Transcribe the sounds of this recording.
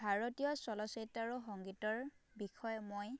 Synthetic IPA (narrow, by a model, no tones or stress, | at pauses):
bʱaɹɔtijɔsɔlɔsɔjtːaɹuxɔŋɡitɔɹbixɔjmoj